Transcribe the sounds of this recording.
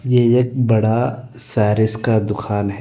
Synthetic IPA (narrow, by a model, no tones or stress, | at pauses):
jeeːk̚bɐɽa | sɛːɾɪskad̪ʊkʰaːnɦɛ